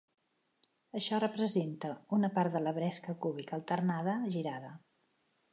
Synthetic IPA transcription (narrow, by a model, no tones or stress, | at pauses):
əʃɔrəpɾəzent̪əunəpaɾt̪d̪ələβɾɛskəkuβ̞ikəlˠt̪ərnaðəʒiɾaðə